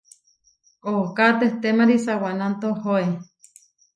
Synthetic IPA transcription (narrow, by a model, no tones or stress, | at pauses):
okat̪eht̪emaɾisawanant̪ohoe